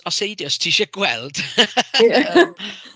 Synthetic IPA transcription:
ɔsejdjɔstʰiːʃəɡwɛlˠd̥

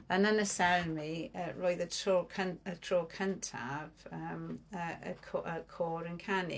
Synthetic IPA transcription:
ənənəsɛwnmiəɹɔːjðətʰɔlkʰənətʰrolkʰəntʰa̰v̥əːməəkʰoʔəkʰɔːɾənkʰanḭ

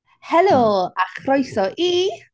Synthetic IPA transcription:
hɛlˠoːaχrɔjsɔʔi

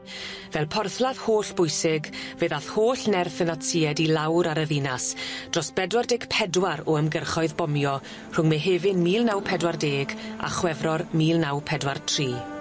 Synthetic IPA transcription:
vɛlˠpʰɔrθlˠað̥hoːɬb̥ʊjsɪɡveðaθhoːɬnɛrθənatʰiːɛdilˠawɾaɾəðinasd̥rɔsb̥ɛdwardeːɡ̥pʰɛdwaɾɔəmɡərχɔɨðbɔmjɔ | r̥ʊŋmeɦeːvɪnmiːlˠnawpʰɛdwardeːɡa̰χwɛvrɔrmiːlˠnawpʰɛdwartʰriː

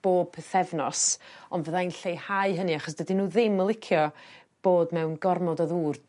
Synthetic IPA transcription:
b̥oːb̥̚pʰəθɛvnɔsɔnvəðainɬejhaɨɦənɨaχɔsd̥ədinuːðɪməlˠɪkʰjɔ | b̥oːdmɛwnɡɔrmɔdɔðuːr

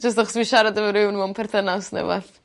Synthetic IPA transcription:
d͡ʒəs̬taχɔsviʃaɾadəvəɾɪwnmɔnpʰɛrθənasnɛ̰va̰θ

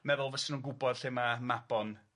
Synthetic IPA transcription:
mɛðʊlˠvəsɪnuːnɡʊbɔd̥ɬemamabɔn

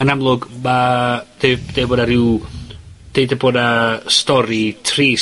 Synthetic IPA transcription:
ənamlˠʊɡmad̥ed̥eboːdaɾɪw | d̥ejdaboːdastɔɾitʰriː

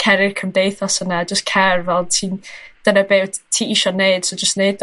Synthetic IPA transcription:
kʰɛɾɪrkʰəmdejθɔsənad͡ʒəstkʰɛrvɛlˠtʰiːnd̥ənəbeːwtʰiːiʃɔneɨd̥sod͡ʒəstneɨd

